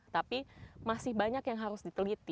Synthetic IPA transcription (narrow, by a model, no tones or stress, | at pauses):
t̪apimasɪhbaɲakjaŋɦaɾʊsdit̪əlit̪i